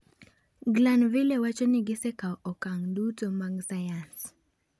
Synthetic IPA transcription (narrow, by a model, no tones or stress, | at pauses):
ɡlanvilewat͡ʃɔnɪɡɪsɛkaɔɔkaŋdutomaɡsajans